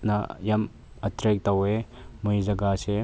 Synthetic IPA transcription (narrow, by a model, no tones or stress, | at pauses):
nɐjɐm | ɐtɾek̚tɐwemujzɐɡase